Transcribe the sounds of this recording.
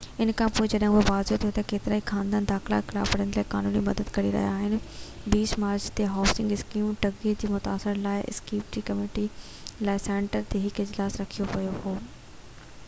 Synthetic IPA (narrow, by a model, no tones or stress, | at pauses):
ɪnkʰãpoːed͡ʑɐɗɦə̃bɪʋaːzjot̪ʰijot̪ɐkeːt̪ɪɾaːixʰãːnd̪ãːnd̪aːxɪla̰xɪla̰ːfɐɽ̤ənlaːɪkaːnuːnimɐd̪əd̪kɐɾiɾɐ̰ɦijaːɦɪnɪ̆ | biːsmaːɾt͡ɕt̪eɦaːsɪ̃ŋɡɪskiːmʈɐɡed͡ʑiːmʊt̪a̰ːsɪɾlaːɪʔɪ̰skiːpʈikɐmeːʈi | laːɪsɛ̃ːɳʈəɾt̪eɦɪkɪd͡ʑlaːsɾɐkʰijopɐjohoː